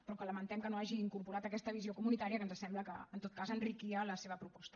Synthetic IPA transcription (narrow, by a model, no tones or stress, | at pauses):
pɾɔkələmənt̪ɛmkənoaʒiːŋkuɾpuɾat̪əkɛst̪əβ̞iziokumunit̪aɾiəkənzəsɛmbləkə̰ːnt̪ot̪̚kazənrikiələseβəpɾupɔst̪ə̥